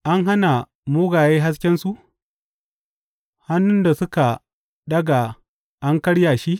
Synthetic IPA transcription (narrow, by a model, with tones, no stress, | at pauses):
ʔa˦ŋɦa˦na˨ | mʊː˦ɡaː˨jeː˦ɦa˦s̬kʲɛ˦nsu˦ʔ | ha˦nːʊ˦nda˨sʊ˦ka˨ | ɗɐ˦ɡa˨ | ʔa˦ŋkɐ˦ɽjaː˨ʃi˦ʔ